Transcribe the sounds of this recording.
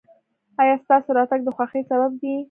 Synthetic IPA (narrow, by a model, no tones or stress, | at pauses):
ɑjɑst̪ɑsoɾɑt̪aɡ̚d̪əxwaxesabab̚d̪i